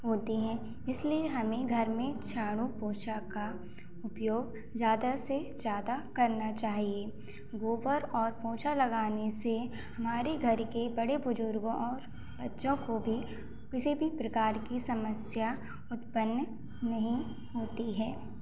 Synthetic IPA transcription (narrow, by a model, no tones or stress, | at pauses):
ɦoːt̪iɦɛ̃ː | ɪslieɦɐmẽɡʱɐɾmẽt͡ʃʰaːɽ̃ũpoːʃaka | ʊpjoːɡ | zjaːd̪ased͡ʒjaːd̪akɐɾnat͡ʃaːɦie | ɡoːʋəɾɔːɾpoːʃalɐɡaːnese | hɐmaːɾeɡʱɐɾkebɐɽebʊd͡ʒʊɾɡõʔɔːɾ | bɐtːʃõkobʱi | kɪsibʱipɾɐkaːɾkisɐməsja | ʊt̪pənː | nɐɦĩ | ɦoːt̪iɦɛː